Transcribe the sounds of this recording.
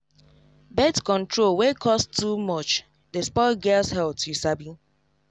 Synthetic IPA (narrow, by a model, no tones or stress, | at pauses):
bɛtkɔ̃ntɹolwekʰɔstːumɔt͡ʃ | despɔɪɡɛlshɛl̚tisabi